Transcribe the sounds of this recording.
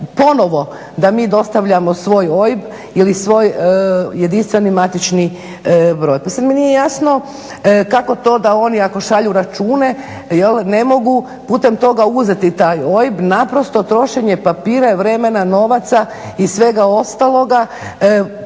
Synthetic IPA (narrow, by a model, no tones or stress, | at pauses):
po̞no̞ʋo̞ | d̪amiːd̪o̞st̪aʋʎamo̞sʋo̞ːjo̞jib | ilisʋo̞ːjjed̪inst̪ʋe̞nimat̪it͡ʃni | bɾo̞ːjpasanmenijejasno̞ | kako̞t̪o̞ːd̪ao̞niako̞ʃaʎuɾat͡ʃuːne | jelne̞mo̞ɡu | puːt̪e̞mt̪o̞ɡauze̞t̪it̪aːjo̞jibnapɾo̞st̪o̞t̪ɾo̞ʃeɲepapiːɾaʋɾe̞me̞nano̞ʋat̪sa | isʋe̞ɡao̞st̪alˠo̞ɡa